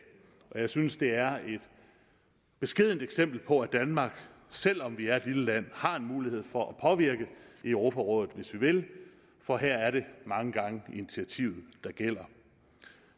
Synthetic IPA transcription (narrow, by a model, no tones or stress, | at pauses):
ɒ̽jɑ̈ɪsynsd̥e̝æɐe̝d̥ | b̥e̝sɡ̥e̝ð̰ˠn̩d̥eɡ̥sem̰b̥l̩pʰɒ̽æd̥ænmɑ̈ːɡ̥ | sel̰ɒ̽mʋiæɐe̝d̥liləlæn̰hɑ̈e̝nmuːlihe̝ð̞̰ˠfɒ̽ʔæpʰɒ̽ʋiɐɡ̥əiœʊʁo̝ːpʰæʁɔ̽ːðð̩ˠʋe̝sʋiʋe̝l | fɒ̽ɦæɐ̰æɐɾe̝mɑ̈ŋəɡ̥ɑ̈ŋəinit͡sʰiæt͡sʰḭʊð̞̩ˠd̥ɑ̈ɡ̥el̰ɐ